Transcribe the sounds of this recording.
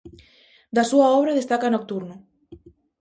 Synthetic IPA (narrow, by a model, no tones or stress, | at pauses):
d̪asuaɔβ̞ɾaðest̪akanok̚t̪uɾno